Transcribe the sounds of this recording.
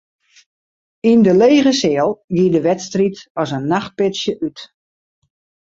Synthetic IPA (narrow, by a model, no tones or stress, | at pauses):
indəleːɣəsɪəlˠɡiədəʋɛtstritɔsənːaxt̚pɪtsjəʔyt